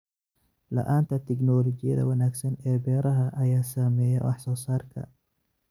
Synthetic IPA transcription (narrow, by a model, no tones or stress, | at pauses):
lɐ̰ʔaːnt̪ʰɐt̪ʰɛknɔːlɔt͡ʃɪjɐ̰ðɐ̰wɑnaːɡsɐnɛːbɛːɾɐɦɐʔɐjaːsɐmɛːjɐ̰wʔɑ̰ħsɔːsaːrkʰɐ̰